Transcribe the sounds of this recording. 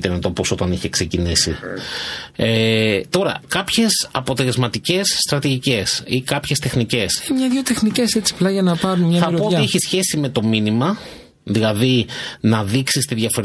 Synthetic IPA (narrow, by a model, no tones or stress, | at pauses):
t̪emet̪opo̞so̞t̪ɐniçe̞kse̞cinisḭ | et̪o̞ɾɐ̰kɐpçe̞sɐpo̞t̪e̞lezmɐt̪ice̞sːt̪ɾɐt̪iʝice̞sikɐpçest̪e̞xnice̞semɲɐðʝot̪e̞xniceset͡si̥plɐʝɐnɐpɐɾunmɲɐθɐpɾoot̪ieçisçe̞sime̞t̪o̞minimɐ | ðilɐðinɐðiksist̪iðʝɐfoɾ